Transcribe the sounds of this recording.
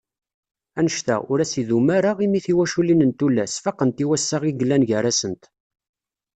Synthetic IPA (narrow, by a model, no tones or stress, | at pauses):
ænəʃt̪æ̰ʊɾæsiðumaɾaʁimiθiwæʃulinənt̪ulːæsfɑqənt̪iwæsːaʁiɡəlːænʝəɾæsənt̪